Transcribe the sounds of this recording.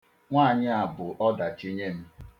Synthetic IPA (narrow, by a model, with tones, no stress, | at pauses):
ŋʷaː˦˨ɲɪ˦a˨bʊ˨ʔɔ˦da˨t͡ʃi˦ɲe˦m̩˦